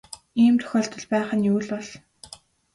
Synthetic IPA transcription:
iːmt̪ʰɵ̥xʲɔːɬt̪ɞ̆ɮpæːχə̆njuːɮpɔɮ

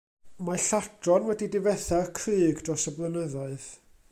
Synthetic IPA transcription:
maɬadrɔnwɛdidɪvɛθarkʰriːɡd̥rɔsəblˠənəðaɨð

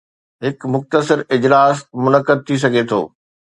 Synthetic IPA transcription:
ɦɪkmʊxt̪əsɪɾɪd͡ʑlaːsmʊnəkəd̪̚t̪ʰis̬ɐɡʱet̪ʰo̰ː

